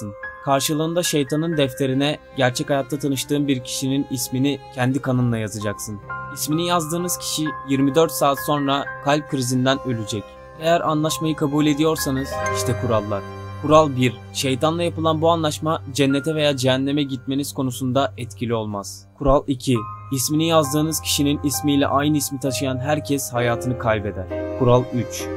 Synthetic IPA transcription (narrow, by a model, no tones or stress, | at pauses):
ɯnkʰaɾʃɯlˠɯːnd̪aʃejt̪ʰanɯnd̪ɛft̪ʰe̞ɾinɛɟæɾt͡ʃʰɛcajat̪ːat̪ʰanɯʃt̪ɯːnbiɾcʰi̥ʃininisminicʰɛnd̪ikʰanɯnlˠajazad͡ʒaksɯnisminijazd̪ɯːnɯz̥cʰi̥ʃijiɾmid̪ø̞ɾt̪saːt̪so̞nɾakʰalʲp̚kʰɾizind̪ænø̞lʲyd͡ʒɛc | e̞jæɾʔanlˠaʃmajɯkʰabuːlʲe̞d̪ijo̞ɾsanɯz̥iʃt̪ʰɛkʰuɾalˠːaɾ̥kʰuɾalˠbiɾ | ʃejt̪ʰanlˠajapɯlˠanbuanlˠaʃmad͡ʒɛnːet̪ʰɛve̞jaːd͡ʒeænlʲːemɛɟit̪̚me̞niz̥kʰo̞nusund̪aɛt̪cʰilʲio̞lˠmaz̥ | kʰuɾalˠicʰiisminijazd̪ɯːnɯz̥cʰi̥ʃininismijlʲɛ̰ʔajnɯismit̪ʰaʃɯjanɦæɾcʰɛshajaːt̪ʰɯnɯkʰalʲbe̞d̪æɾ̥kʰuɾalˠyt͡ʃ